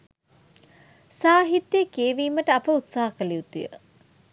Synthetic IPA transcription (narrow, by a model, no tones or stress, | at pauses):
saːɦit̪ːjekeːʋiːməʈəɐpəut̪saːɦɐkəliut̪ujə̰